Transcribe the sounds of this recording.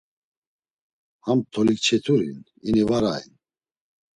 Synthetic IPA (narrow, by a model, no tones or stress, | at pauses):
hamt̪ʰɔlikt͡ʃʰɛt̪ʰuɾin | inivaɾaḭn